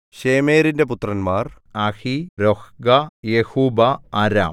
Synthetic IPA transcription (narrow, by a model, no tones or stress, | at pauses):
ɕeːme̞ːɾinde̞put̪ːrɐnmaːr | ɐhiɾohɡɐjehuːbɐaːɾa̰ːm